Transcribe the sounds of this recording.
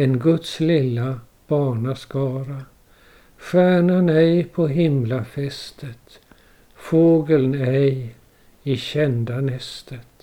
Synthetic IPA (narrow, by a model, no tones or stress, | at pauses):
ɛnɡɵt̪slɪlːa | b̥ɑːɳaskɑːɾa | fæːɳənɛjpʰɔɦɪmlafɛst̪ʰət̪ | foːɡəlnɛj | ɪɕɛnd̪anɛst̪ʰət̪